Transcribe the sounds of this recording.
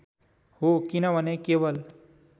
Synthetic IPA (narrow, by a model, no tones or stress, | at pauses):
ɦokinaʋənekeʋəl